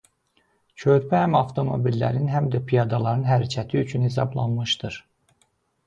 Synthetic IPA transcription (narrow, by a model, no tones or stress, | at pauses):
cʰøɾpʰæhæmɑft̪ʰo̞mo̞̰bilːæ̰ɾinɦæmd̪æpʰijɑd̪ɑlˠɑɾɯnɦæɾæcʰæt̪ʰiyt͡ʃʰynhes̬ɑ̰blˠɑ̰nmɯʃd̪ɯɾ̥